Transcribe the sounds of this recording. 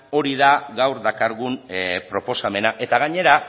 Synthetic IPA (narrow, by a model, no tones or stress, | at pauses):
o̞ɾiðaɣawɾd̪akaɾɣunpɾo̞po̞same̞naʔe̞t̪aɣaɲe̞ɾa